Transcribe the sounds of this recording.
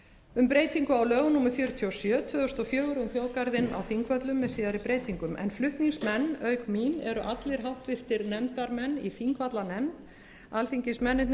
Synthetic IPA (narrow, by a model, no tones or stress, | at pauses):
ʏmpɾeːjt̪iŋkʏawlœːɣʏnuːmʏfjœːɾʏt̪ʰiɔsjœːt̪ʰvœːðʏst̪ɔfjœːɣʏɾʏmθjoːwkaɾðɪna̰wθiŋkvœt̪lʏmːɛðsiːðaɾɪpɾeːjt̪iŋkʏmʔɛ̰nflʏht̪niŋsmɛnːœːɥkminɛɾʏʔat̪lɪɾ̥ɦawht̪vɪr̥t̪ɪɾnɛmt̪aɾmɛnːiθiŋkvat̪lanɛm | alfiŋcɪsmɛnːɪt̪n